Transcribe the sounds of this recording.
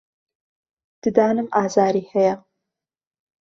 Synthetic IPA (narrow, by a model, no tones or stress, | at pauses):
d̪̥ɨd̪ɑːnɨmaːzaːɾiːhɛjɛ